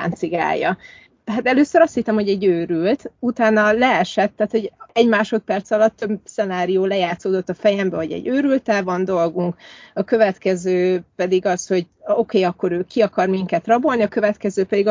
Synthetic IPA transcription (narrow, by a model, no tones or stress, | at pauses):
a̰ːnt̪siɡa̰ːjːɒ̰ | ɦat̪ɛløːsøɾɒst̪hit̪ːɛmho̞ɟɛɟøːɾylt̪ut̪aːnɒlɛɛʃɛt̪ːaːt̪hoɟɛɟmaːʃo̞t̪̚pɛrt̪sɒlɒt̪ːøbsɛnaːɾijoːlɛjaːt̪soːd̪o̞t̪ːɒfɛjɛmbɛvoɟɛ̰ɟːøːɾylt̪ɛlvɒnd̪o̞lɡuŋkɒkøvɛt̪kɛzøːpɛd̪iɡɒsho̞ɟo̞keːɒkːo̞ɾøːkiɒkɒrmiŋkɛt̪rɒbo̞lniɒkø̞vɛt̪kɛzøːpɛd̪iɡ